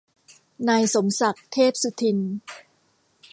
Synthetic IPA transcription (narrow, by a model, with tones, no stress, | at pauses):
naː˧jso˩˦msa˨˩k̚t̪ʰeː˥˩p̚su˧t̪ʰi˧n